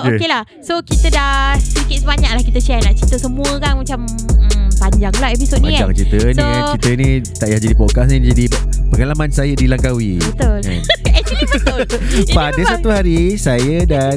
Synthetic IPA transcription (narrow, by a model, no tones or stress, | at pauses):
okelah | sokit̪ədasikɪt̪sbaɲaklahkit̪ət͡ʃɛnaʔt͡ʃit̪əsəmũəkanmat͡ʃam̩ | paɲd͡ʒaŋlahɛpisot̪̚nãd͡ʒaŋt͡ʃit̪əniankit̪ənĩt̪aʔjahd͡ʒadipɔkas̬nid͡ʒadipəŋalamãnsajədilaŋkawibət̪ʊlnɛk̚t͡ʃəlibəʊpadəsat̪uɦaɾisajəda